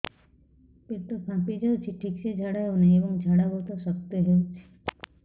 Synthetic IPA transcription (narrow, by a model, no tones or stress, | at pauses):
pɪɾt̪opʰãːpid͡ʒat͡ʃʰiʈʰiːksed͡ʒʱaɽaɦonẽeːbəŋɡd͡ʒʱaɽaɦot̪osək̚t̪eɦɛ